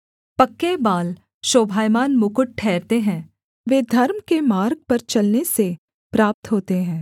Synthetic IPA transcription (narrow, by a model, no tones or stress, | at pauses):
pɐkːebaːl | ʃoːbʱaːjmaːnmʊkʊʈ̚ʈʰɛːɾt̪eɦɛ̃ː | ʋeːd̪ʱɐɾmkemaːɾɡ̚pɐɾt͡ʃɐlnese | pɾaːp̚t̪ɦoːt̪eɦɛ̃ː